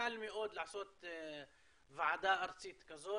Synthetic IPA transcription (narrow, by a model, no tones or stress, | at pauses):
almiʔoːd̪laʕsoːt̪ | vaʕad̪aːʔɑɾˤt͡siːt̪kazoː